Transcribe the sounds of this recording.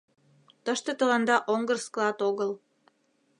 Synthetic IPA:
t̪əʃt̪et̪ə̆lɑnd̪ɑʔoŋɡərskəlɑt̪oɣəl

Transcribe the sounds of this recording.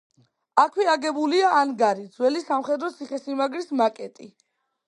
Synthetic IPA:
akʰwiaɡɛbuliaʔːnɡaɾid̪z̥wɛlisamχɛd̪ɾɔt̪sʰiχɛsimaɡɾismakʼɛt̪ʼi

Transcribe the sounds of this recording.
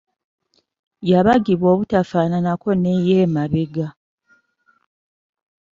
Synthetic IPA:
jaβaɡiβwo̞ːβutafaːnanako̞nejeːmaβeɡa

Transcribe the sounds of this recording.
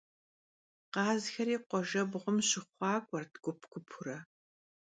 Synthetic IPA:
qɑːzxɐɾiːqʷɔʒɐbʁʷʊmɕɪχʷɑːɡʷʼɐrtɡʷʼʊpʰɡʷʊpʰʊɾɐ

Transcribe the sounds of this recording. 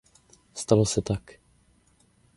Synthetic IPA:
st̪alosɛt̪ak

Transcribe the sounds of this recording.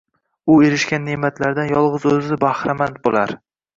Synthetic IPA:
ʊeɾɪʃkʲanːemat̪ʰlaɾd̪anjɒlˠʁɨzɵzɪɪbahɾamant̪̚bolaɾ

